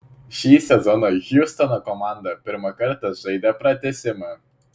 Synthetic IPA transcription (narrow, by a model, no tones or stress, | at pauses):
ʃʲiːsʲɛzɔnoɣʲust̪ɔnokɔmɑˑnd̪ɐpʲɪɾmɐkɐɾt̪ɐʒɐɪd̪ʲɛpɾɐt̪ʲɛsʲɪmɐ